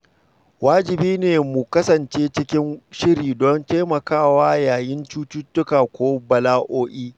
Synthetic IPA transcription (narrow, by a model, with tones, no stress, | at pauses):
waː˦d͡ʒɪ˨biː˦neː˨mʊ˨kɐ˦sɐ˨nt͡ʃeː˦t͡ʃɪ˦kʲɪ˦nʃɪ˦ɾiː˨dɔ˦nte˦mɐ˨kaː˦˨waː˦jaː˨jɪ˦nt͡ʃuː˦t͡ʃuː˦tːʊ˦kaː˨kʷoː˦bɐ˨laː˦ʔoː˦ʔiː˦